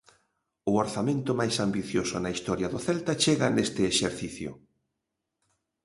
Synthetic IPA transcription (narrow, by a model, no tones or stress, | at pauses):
ʊoɾθamẽnt̪ʊmajsambiθjosʊnɐist̪ɔɾjɐðʊθɛlt̪at͡ʃeɣanest̪ɪeʃeɾθiθjʊ̰